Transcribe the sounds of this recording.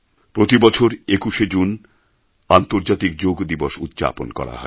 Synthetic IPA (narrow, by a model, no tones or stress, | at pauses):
pɾot̪ibɔt͡ɕʰoɾekuʃed͡ʑun | ant̪oɾd͡ʑat̪ik̚d͡ʑoɡd̪iboʃṵt̪ːd͡ʑa̰ponkɔ̰ɾa̰ɦɔ̰e